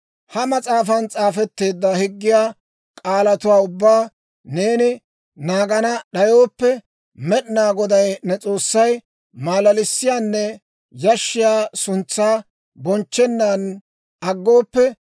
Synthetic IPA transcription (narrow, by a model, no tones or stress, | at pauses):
hɐmɐt͡sʼaːfɐnt͡sʼaːfɛt̪ːe̞ːd̪ːɐhɪɡːɪjaː | kʼaːlɐt̪ʊwaːʊbːaː | ne̞ːnɪ | naːɡɐnɐɗɐjo̞ːpːɛ | mɛɗnaːɡɔd̪ɐjnɛt͡sʼo̞ːsːɐj | maːlɐlɪsːɪjaːnːɛ | jɐʃːɪjaːsʊnt͡sːaː | bɔnt͡ʃːɛnːaːn | ʔɐɡːo̞ːpːɛ